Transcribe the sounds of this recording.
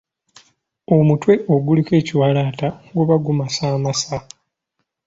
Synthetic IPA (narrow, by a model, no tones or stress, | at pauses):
o̞mutwe̞ʔo̞ɡulike̞ːciwalaːtaɡuβaɡumasaːmasa